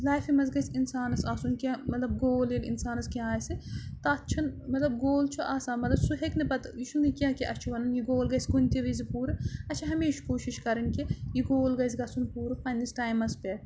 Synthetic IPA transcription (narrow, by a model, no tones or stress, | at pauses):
laːjfimɐzɡɐjsʲinsaːnɐsaːsunkʲɐ̃mɐt̪lɐbɡoːleːlḭnsaːnɐskʲaaːsɨt̪ɐɐtːt͡ʃʰɐnmɐt̪lɐb̚ɡoːlt͡ʃʰuʔaːsaːnmɐt̪lɐbsuɦeknɐbɐt̪jiʃunɐkʲãːkiʔɐt͡ʃʰuʋɐnɐnjiɡoːlɡɐjsʲkunʲt̪ʲiʋɐzipuːɾɨɐt͡ʃʰɐɦɐmeːʃkoːʃiʃkɐɾɐnkijiɡoːlɡɐjzʲɡɐsunpuːɾɨpɐnʲːisʈaːjmɐspeʈ